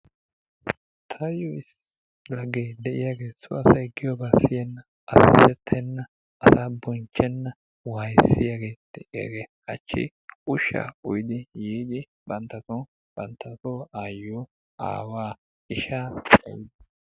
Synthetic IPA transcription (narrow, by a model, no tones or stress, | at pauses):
t̪ʰɐjoɪsːɪ̥ | lɐɡeːd̪ɛʔɪjaːɡe̞ːsʊ̰ɐsɐjɡɪjɔbasɪjɛnːɐ | ɐst̪ɛt̪ʰːɛnːɐ | ɐsaːbɔnt͡ʃːɛnːɐ | wajsɪjaɡeːd̪̥ɛʔɪja̰ːɡeː | ɐt͡ʃːɪ̰ | ʊʃːa̰ːʊjɪd̪ɪjiːd̪ɪ | bɐnt̪ːɐt̪o | b̥ɐnt̪ʰːɐt̪oːaːjːoː | a̰ːwaː | ɪʃaːt͡ʃʼɐ̰jɪd̪ɐ